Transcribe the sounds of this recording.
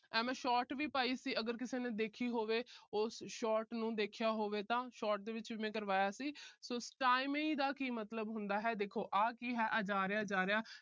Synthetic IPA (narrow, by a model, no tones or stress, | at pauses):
ɛ̃ːmɛ̃ːʃɔːʈʋiːpaːiːsiːəɡəɾkɪseːnẽːd̪eːkʰiːɦoːʋeːʊsʃɔːʈnũːd̪eːkʰjaːɦoːʋeːt̪ãːʃɔːʈ̚d̪eːʋɪt͡ʃʋiːmɛ̃ːkəɾʋaːjaːsiːsoːsʈaːɪmẽiːd̪aːkiːmət̪ləbɦʊnd̪aːɦɛːd̪eːkʰoːʔaːkiːɦɛːʔəd͡ʒaːɾeaːd͡ʒaːɾeaː